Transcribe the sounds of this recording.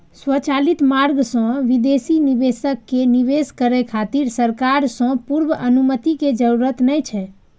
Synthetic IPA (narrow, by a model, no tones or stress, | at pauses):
swət͡ʃalit̪maɾɡsɔ̃ʋid̪esinibesəkːeniʋeskəɾɛkʰat̪iɾsəɾkaɾsɔ̃puɾbəənumət̪iked͡ʒəɾuɾət̪nɛjt͡ʃʰɛ